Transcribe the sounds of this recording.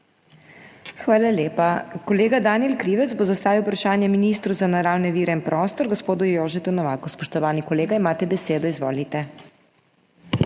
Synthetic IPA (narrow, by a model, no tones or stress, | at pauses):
xʋaːlalʲjeːpakɔleːɡad̪aːniɛlkɾiːʋɛt̪zbozast̪aːʋiwpɾaʃaːnjɛminiːst̪ɾuzanaɾaːwnɛʋiːɾɛinpɾɔːst̪ɔɾɡɔspoːd̪ujoːʒɛt̪unɔʋaːkɔspɔʃt̪ɔʋaːnikɔleːɡaimaːt̪ɛbɛseːd̪ɔizʋo̰ːlit̪ɛ